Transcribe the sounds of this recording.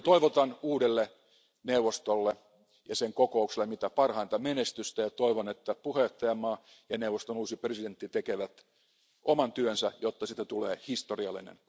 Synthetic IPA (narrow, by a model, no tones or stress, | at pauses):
t̪oiʋot̪ɑnuːdelːe | neuʋost̪olːe | jɑseŋkokoukselːemit̪æpɑrhɑint̪ɑmenest̪yst̪æjɑt̪oiʋonet̪ːæpuheˑt̪ːɑjɑmɑː | jɑneuʋˑost̪onuːsipresident̪ːit̪ekeʋæt̪ | ʔomɑnt̪yønsæjot̪ːɑsit̪ːæt̪uleːhist̪oriɑlːḭnḛn